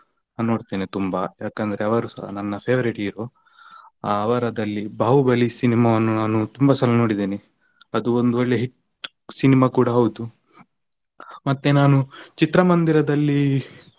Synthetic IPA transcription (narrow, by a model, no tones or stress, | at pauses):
noːɖt̪iːnit̪umbɐjaːkɐnd̪ɐɾeɐʋɐɾusɐɦnɐnːɐpʰeːʋɐɾiʈiːɾo | aːʋɐɾɐd̪ɐlːibaːɦubɐlisinimaːʋɐnːunaːnut̪umbɐsɐlɐnoːɽid̪iːni | ɐd̪uond̪uʋɐɭːeɦiʈ | sinimaːkuːɽɐɦɐwud̪u | mɐt̪ːenaːnut͡ʃit̪ɾɐmɐnd̪iɾɐd̪ɐlːi